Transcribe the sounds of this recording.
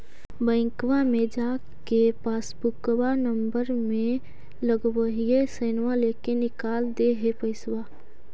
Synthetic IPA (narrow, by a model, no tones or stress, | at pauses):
bə̃ɪ̃kwamẽd͡ʒa | kepaːsbʊkwanəmbəɾmẽ | ləɡwəɦijesənʋalekenɪkaːld̪eɦepəɪswa